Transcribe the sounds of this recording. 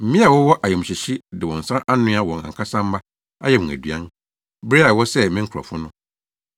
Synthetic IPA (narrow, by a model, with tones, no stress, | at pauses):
m̩˨˦mĩ˦a˨wɔ˦wɔ˦ʔa˨jɛ˨m̩̃˨ɕɪ˨ɕi˦dɪ˨wɔ̃˨n̩˨sã˦ʔa˦nʊ̃˦a˦wɔ̃˨ŋã̰˨ŋkʰa˦sã˦m̩˦ma˦ | a̰˦jɛ˦mʊ̃˨æ̰˨dɥã˦n | be˦a˨wɔ˦sɛ˦mɪ̃˦ŋ̩˦kʰɔ̰˨fʊ˦nʊ̃˦